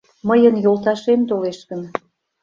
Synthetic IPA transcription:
məjənjolt̪ɑʃemt̪oleʃkən

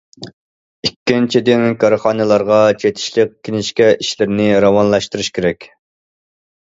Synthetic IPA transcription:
ikʲːint͡ʃʰid̪ɪnkʰɑɾɨχɑːnɨlˠɑɾʁɑt͡ʃʰet̪ʰɪ̥ʃlˠɪk̚ʲkʲʰːinɪʃkʲɛʔiʃlɪɾɪnɪɾɑwɑnlˠɑʃt̪ɨɾɨʃkʲʰeɾɛkʲ

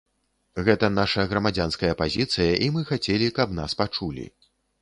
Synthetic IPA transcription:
ɣɛt̪ɐnaʂɐɣɾɐmad͡zʲanskɐjɐpazʲit̪sɨjɐʔimɨxat͡sʲɛlʲikɐpnaspat͡ʂulʲḭ

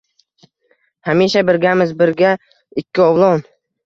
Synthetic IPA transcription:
hamiʃabɪɾɡʲamɪzbɪɾɡʲa | ɪkʲʰːɪɒwlˠɒn

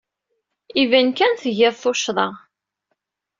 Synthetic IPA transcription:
ivænkænθəʝɪðˤθoʃðˤəʁ

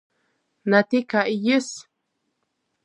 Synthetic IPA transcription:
nat̪ikaʔijəs

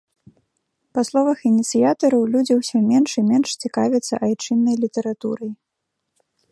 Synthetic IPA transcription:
paslˠɔvɐxinʲit̪sɨjat̪ɐɾɐwlʲud͡zʲiwsʲɔmʲɛnʂimʲɛnʂt͡sʲikavʲɛt̪sːɐ̰ʔajt͡ʂɨnːɐjlʲit̪ɐɾat̪ṵɾɐj

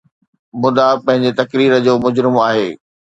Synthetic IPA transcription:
mʊd̪apɐ̃ɦɪ̃ɲ̆d͡ʑet̪ɐkɾiːɾə̆d͡ʑoːmʊd͡ʑɾɪmaːɦeː

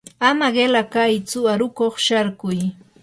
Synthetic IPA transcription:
amaɢelakajt͡sʊaɾʊkoχʃaɾkʊj

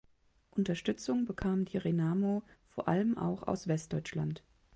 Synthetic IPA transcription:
ʔʊntɐʃtʏt͡sʊŋbəkʰaːmdiʁenaːmoːfoːɐʔaləmʔa̰ʊxa̰ʊsv̥ɛst̚d̥ɔʏt͡ʃlant

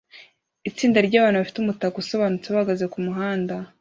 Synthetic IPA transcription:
it͡siːndaɾɟaːβaːnhuβafi̥tumutakuso̞βaːnut͡seβaaɡazekumuɦaːnda

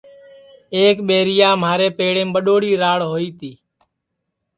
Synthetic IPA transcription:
eːkɓeːɾɪjaːmaːɾeːpeːɽẽːmɓəɗoːɽiːɾaːɭɦoːiːt̪iː

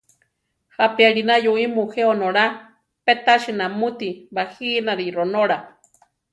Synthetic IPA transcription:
hapiaɺinajuimuheonoɾa | pet̪aʃinamut̪iβahinaɾiɾonoɾa

